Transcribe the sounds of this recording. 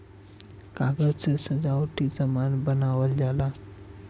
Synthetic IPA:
kaɡət͡səsəd͡zawʈid͡zəmanbənaʋəld͡zala

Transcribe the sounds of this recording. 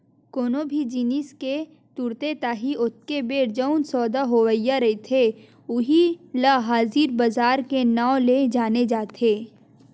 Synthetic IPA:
koːnobʱid͡ʒiːniske | t̪uɾt̪et̪aːɦiʔʊt̪̚ʰkebeːɾd͡ʒəʊnsɔːd̪aɦoʋəjːaɾɐit̪ʰe | ʊɦilaɦaːziːɾbɐzaːɾkenãːoled͡ʒaːned͡ʒaːt̪ʰeː

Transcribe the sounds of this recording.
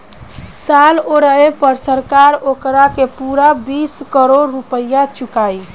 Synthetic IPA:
saloɾəepəɾsəɾkaɾokɾakepuɾabiskəɾoɾːupəjat͡ʃukaj

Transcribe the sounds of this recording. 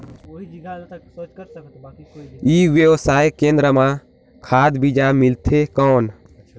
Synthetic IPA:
iːʋjəwsaːjkẽːnd̪ɾəmã | kʰaːd̪bid͡ʒamɪlt̪ʰekɔːn

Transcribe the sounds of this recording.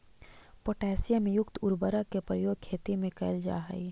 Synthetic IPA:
poːʈɛːsɪjamẽjʊkt̪ʊɾbəɾakepɾəjoːɡ̚kʰːeːt̪imẽkɐɪld͡ʒa̰ːɦa̰i

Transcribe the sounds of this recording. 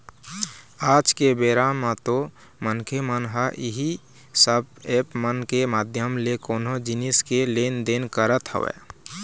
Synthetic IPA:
aːd͡ʒkebeɾamat̪o | mənkʰemənɦəʔiɦi | səbepmənkemaːd̪ʱjəmlekoːnɦod͡ʒiniskelend̪enkəɾət̪ɦə̰ʋɛ̰

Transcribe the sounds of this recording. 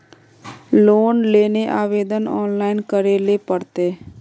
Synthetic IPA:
loːnleːneʔaːʋeːd̪ənɔːnlaːɪnkəɾelepəɽt̪eː

